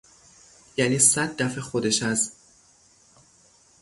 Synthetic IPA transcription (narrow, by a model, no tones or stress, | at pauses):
jæniːsæd̪̚ːæfexod̪eʃæz